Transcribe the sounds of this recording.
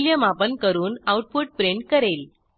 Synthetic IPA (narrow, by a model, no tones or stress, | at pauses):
ljəmapənkəɾuːnawʈ̚puʈ̚pɾeɳɖkəɾel